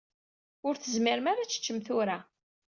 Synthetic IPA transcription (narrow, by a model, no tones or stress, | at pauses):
ʊɾθəzmɪɾmaɾat͡sːə̥t͡ʃːəmθʊɾa